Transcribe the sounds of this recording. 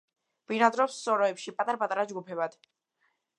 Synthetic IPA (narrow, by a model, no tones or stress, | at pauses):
v̥inad̪ɾɔpsːɔɾɔɛpʃipʼat̪ʼaɾapʼat̪ʼaɾad͡ʒɡupʰɛbad̪̥